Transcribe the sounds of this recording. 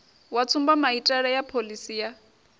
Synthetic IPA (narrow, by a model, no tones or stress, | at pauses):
wat͡sʰumbamaitʼɛɺɛjapʰolisiːja